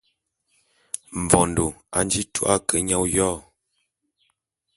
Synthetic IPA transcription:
m̩˨vɔ˨ndo˨a̰˨n˦d͡ʒi˦tu˦ʔa˦˨kə˨˦ɲa˦wjɔː˦˨

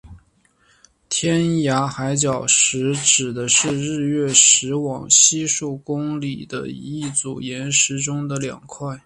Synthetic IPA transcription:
t̪ʰjɛ˥nja˧˥xa˧˥ɪt͡ɕjɑ˨˩ʊʂɻ̩˧˥ʈ͡ʂɻ̩˨˩d̪ə˦ʂɻ̩˥˧ɻɻ̩˥˧ɥɛ˥˩ʂɻ̩˧˥wɑ˨˩ŋɕi˥ʂu˥˩ʊkʊ˥ŋli˨˩d̪ə̰˦ḭ˧˥i˥˩t͡sṵ˨˩jɛ˧˥nʂɻ̩˧˥ʈ͡ʂʊ˥ŋd̪ə˨ljɑ̰˨˩ŋkʰwa˥˩ɪ

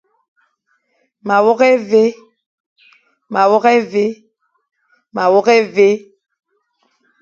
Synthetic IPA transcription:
ma˨wɔ˦kɛ˦ve˦ | ma˨wɔ˦kɛ˦ve˦ | ma˨wɔ˦kɛ˦ve˦

